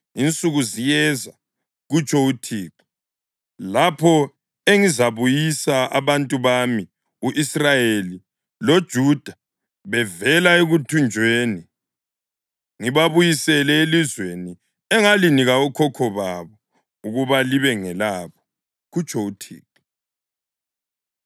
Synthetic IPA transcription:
int͡sʼuɣuzijɛza | ɣut͡ʃʰʼɔutʰiːǁi̥ | lapʰɔ | eŋizaβujisaaβantʼuβami | uʔisrajeli | lod̥ʒ̥ʱud̥ʱa | βɛvɛlaeɣutʰund͡ʒʱweːni | ŋiβaβujisɛlɛelizweni | ɛŋaliniɣaukʰɔkʰɔβaβɔ | uɣuβaliβɛŋɛlaβɔ̥ | ɣut͡ʃʰʼɔutʰḭːǃi

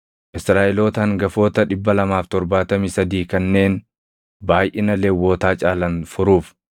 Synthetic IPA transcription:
ʔɪsɾaːʔɛloːt̪ɐŋɡɐfo̞ːt̪ɐᶑɪbːɐlɐmaːft̪ɔɾbaːt̪ɐmisɐd̪iːkɐnːe̞ːn | baːjʔɪnɐlewːoːt̪aːt͡ʃʼaːlɐnfʊɾuːf

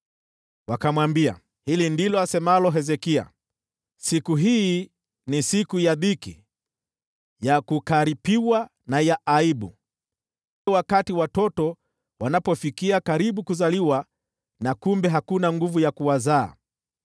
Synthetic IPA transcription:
wakamwambia̰ | hilindilɔasɛmalɔɦɛzɛkia̰ | sikuɦi | nisikujaðiki | jakukaɾipiwa | najaʔaiɓu | wakatiwatɔtɔ | wanapɔfikiakaɾiɓukuzaliwa | nakumbɛɦakunaŋɡuvujakuwaza̰ː

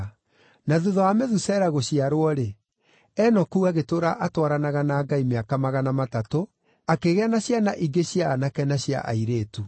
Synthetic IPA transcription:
naðuðɔameðusɛɾaɣoɕiaɾwɔɾe | ɛnɔkuɣaɣetoɾaʔatwaɾanaɣanaːɡaimeakamaɣanamatato | akeɣeanaɕjanaʔiɡeɕjaːnakɛnaɕja̰ʔa̰iɾeːtu

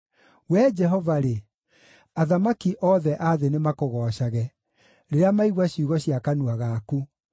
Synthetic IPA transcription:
wɛd͡ʒɛɦɔvaɾe | aðamakiʔɔðɛʔaðenemakoɣɔʃaɣɛ | ɾeɾeamaiɣwaɕiuɣɔɕiakanuaɣaku

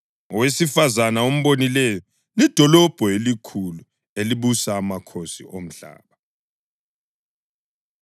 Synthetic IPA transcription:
ɔwesifazanaom̩βonilɛjɔ | lid̥ʱɔlɔb̥ʱɔelikʰulu | eliβusaːmakʰosḭʔom̩ɬa̰ːβa

